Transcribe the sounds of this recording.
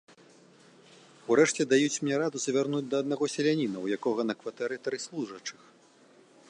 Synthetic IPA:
uɾɛʂt͡sʲɛd̪ajut͡sʲmnʲɛɾad̪uzɐvʲarnud͡zʲd̪ɐːd̪naɣɔsʲɛlʲanʲinɐwjakɔɣɐnɐkvat̪ɛɾɨt̪ɐɾɨslˠuʐɐt͡ʂɨx

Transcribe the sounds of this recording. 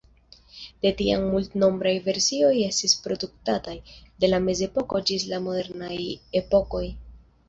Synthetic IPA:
d̥e̞tia̰ŋmultno̞mbɾajve̞ɾsio̞je̞stispɾo̞duk̚tatajde̞lame̞ze̞po̞ko̞d͡ʒis̬lamo̞de̞ɾnaje̞po̞ko̞j

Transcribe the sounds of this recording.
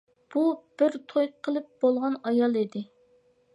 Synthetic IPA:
b̥ub̥ɪɾt̪ʰojqʰəlˠɨp̚b̥olˠʁɑnɑjɑlˠid̪ɪ

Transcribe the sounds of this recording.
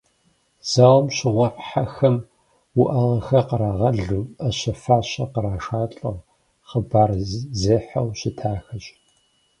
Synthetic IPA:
z̥awmɕɪʁʷɔħħaxɐm | wʊʔɐʁɐxɐqəɾaːʁɐɮumɐɕɐfaːɕɐqəɾaːʂaːɬʼɐʁ | χəbaːrzeːħɐwɕɪtʰaːxɐɕʼ

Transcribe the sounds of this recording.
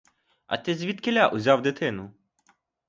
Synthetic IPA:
ɐ̰t̪ɪzʲʋʲid̪kelʲaʔʊzʲɑwd̪ɪt̪ɪnʊ

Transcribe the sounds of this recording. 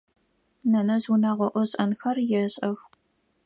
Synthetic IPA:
nɐnɐzunaːʁʷɔʔʷʊɕʼɐnxɐrjɛɕʼɐx

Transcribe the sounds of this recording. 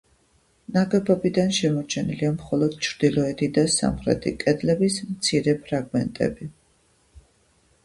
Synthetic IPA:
naɡɛbɔbid̪anʃɛmɔɾt͡ʃʰɛniliamχɔlˠɔd̪̥t͡ʃʰɾd̪ilˠɔɛt̪ʰid̪asa̰mχɾɛ̰t̪ʰḭkʼɛd̪lɛbismt̪sʰiɾɛpʰɾaɡmɛnt̪ʼɛ̰bi

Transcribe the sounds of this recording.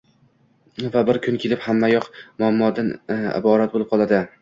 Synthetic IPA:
vabɪɾkʲʰʊnkʲʰe̞lɪphamːajɒqmʊamːɒd̪anɪ̰bɒɾat̪̚bolɪp̚qʰɒlˠad̪ɪ

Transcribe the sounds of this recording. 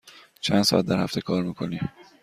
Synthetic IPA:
t͡ʃʰænsɒ̰ʔæt̪̚d̪æɾhæ̰ft̪e̞kʰɒːɾmiːkʰonim

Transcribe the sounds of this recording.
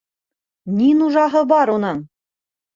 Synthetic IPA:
nʲinuʒɑɦɤbɑɾunɤɴ

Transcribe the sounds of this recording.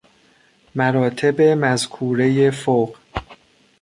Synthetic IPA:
mæɾɒːt̪ʰe̞be̞mæzkʰuːɾe̞jefoɢ

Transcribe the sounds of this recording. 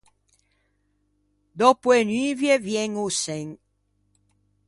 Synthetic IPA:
d̪opwenyvjevjɛŋusɛŋ

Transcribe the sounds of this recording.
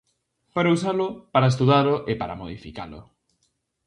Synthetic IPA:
paɾausalʊpaɾaest̪uðalʊʔepaɾa̰moðifika̰lʊ̰

